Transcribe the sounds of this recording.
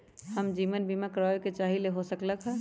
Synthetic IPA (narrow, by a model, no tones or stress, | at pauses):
həmd͡ʒiʋənbimakɾajoket͡ʃaɦileɦosəkləkʰɦə